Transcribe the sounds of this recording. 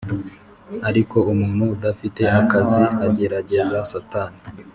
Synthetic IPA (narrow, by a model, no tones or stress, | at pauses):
aɾiko̞umuːnhuːdafite̞ʔakaziaɟe̞ɾaɟe̞zasataːni